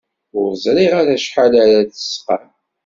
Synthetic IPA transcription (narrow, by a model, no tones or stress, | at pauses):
ʊɾzˤɾiʁaɾæʃħalæɾæt͡sə̥sqan